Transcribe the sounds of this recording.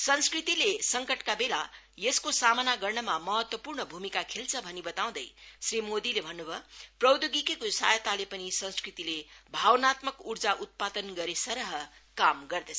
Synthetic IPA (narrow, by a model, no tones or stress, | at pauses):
sʌnskrit̪ilesʌŋkʌʈkabela | jeskosamʌnaɡʌrnʌmamʌɦʌt̪wʌpurɳʌbʱumikakʰelt͡sʰʌbʱʌnibʌt̪aw̃d̪ʌjsrimod̪ilebʱʌnːubʱʌprʌwd̪joɡikekosa̰jt̪alepʌnisʌnskrit̪ilebʱawnat̪mʌkurd͡zaʔut̪̚pad̪ʌnɡʌɾesʌɾʌɦʌ | kamɡʌrd̪ʌt͡sʰ